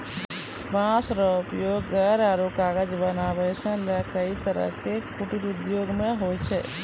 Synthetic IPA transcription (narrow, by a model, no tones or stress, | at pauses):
bãːsɾəʊpjoːɡːəɾaɾoːkaːɡəd͡ʒbənaːbəjsə̃lakəit̪əɾə̰kepʊʈiɾʊd̪joːɡmẽɦoːjt͡ʃʰɛː